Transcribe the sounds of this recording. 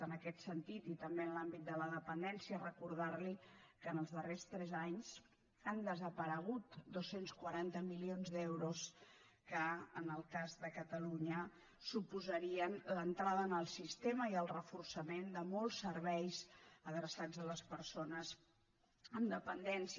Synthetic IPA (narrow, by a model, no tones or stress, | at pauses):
ənəkɛt̪sənt̪it̪it̪əmbenlambit̪̚d̪ələðəpənd̪ɛnsiərəkuɾðaɾlikənəlˠzðərest̪ɾɛzaɲz | ənd̪əzəpəɾəɣ̞ut̪d̪osenskwəɾant̪əmilionzd̪ɛwɾus | kəənəlˠkazðəkət̪əluɲə | supuzəɾiənlənt̪ɾaðəənəlˠsist̪eməiəlˠrəfursəmend̪əmɔlˠsːəɾβɛjzəðɾəsad͡zələspəɾsonəz | əmd̪əpənd̪ɛns